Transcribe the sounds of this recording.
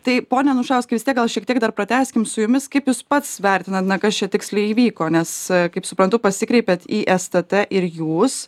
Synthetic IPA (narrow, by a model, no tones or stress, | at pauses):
t̪ɐɪpoːnʲɛnʊʃɑːʊskɐɪʋʲɪst̪ʲiɛkɡɐlˠʃʲiɛk̚t̪iɛɡ̚d̪ɐrpɾɐt̪ʲæːsʲkʲɪmsʊjʊmʲɪskɐɪpjuːspɐt̪sʋʲɛɾʲt̪ʲɪnɐt̪nɐkɐst͡ʃʲɛt̪ʲɪksʲlʲɛɪiːʋʲiːkoːnʲɛskɐɪpsʊpɾɐnt̪ʊpɐsʲɪkɾʲɛɪpʲet̪iːʔɛst̪ɛt̪ɛʔɪɾjuːs